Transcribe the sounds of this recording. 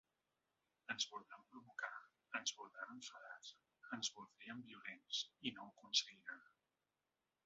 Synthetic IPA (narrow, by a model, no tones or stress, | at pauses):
ənzβulˠd̪ɾampɾuβuka | ənzβulˠd̪ɾaβəɱfəðas | ənzβulˠd̪ɾiəmbiulensinowkunsəɣiɾan